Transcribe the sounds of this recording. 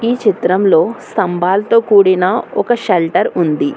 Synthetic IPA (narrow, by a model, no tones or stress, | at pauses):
iːt͡ʃit̪ɾɐmlo̞ːst̪ɐmbaːlɐt̪o̞ːkuːɽinɐɔkɐʃelʈɐɾund̪i